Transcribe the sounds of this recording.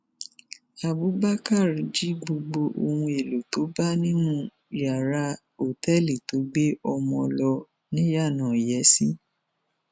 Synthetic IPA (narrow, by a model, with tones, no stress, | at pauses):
a˨bu˨˦ba˦ka˦˨ɾi˨d͡ʒi˦ɡ͡bo˧ɡ͡bo˧ʔo̰˧hũ˧e˨lo˨to˨˦ba˦nĩ˦nũ˦ | ja˨ɾa˧˦ | o˨tɛ˦˨li˨to˨˦ɡ͡be˦ɔ˧mɔ̃˧lɔ˧ | nĩ˦ja˦˨nã˨jɛ˨˦si˦